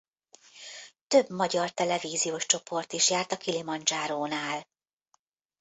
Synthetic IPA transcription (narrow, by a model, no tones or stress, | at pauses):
t̪ø̞bmɒɟɒrt̪ɛlɛviːzijoːʃt͡ʃo̞po̞rt̪iʃjaːrt̪ɒkilimɒnd͡ʒaːɾoːnaːl